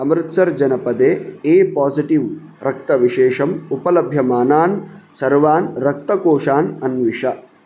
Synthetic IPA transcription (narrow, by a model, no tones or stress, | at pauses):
ɐmɾɨt̪sɐɾd͡ʒɐnɐpɐd̪eːeːpaːsiʈiʋ | ɾɐk̚t̪ɐʋiʃeːʂɐmupɐlɐbʱjɐmaːnaːnsɐɾʋaːnɾɐk̚t̪ɐkoːʂaːnɐnʋiʂɐ